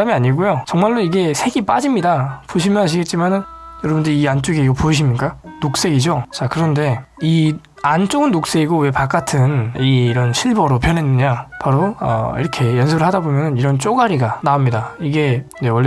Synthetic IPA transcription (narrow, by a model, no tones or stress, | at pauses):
amiaɲiɡojot͡ɕʌŋmaɭːoiɡe̞sʰe̞ɡip͈ad͡ʑimɲidapoɕʰimjʌnɦaɕ̬ʰiɡe̞t̚t͡ɕ͈imanɯnjʌɾʌbɯndiiant͡ɕ͈oɡiiɡʌpoiɕ̬ʰimɲik͈anok̚s͈e̞ɡid͡ʑot͡ɕakɯɾʌnde̞i | ant͡ɕ͈oɡɯnːok̚s͈e̞ɡiɡowe̞pak͈atʰɯniɾʌnɕʰiɭbʌɾopjʌnɦenːɯɲapaɾoʌ̰ḭɾʌkʰe̞jʌnsʰɯbɯɭhadabomjʌnɯniɾʌnt͡ɕ͈oɡaɾiɡanaomɲidaiɡe̞ne̞wʌɭː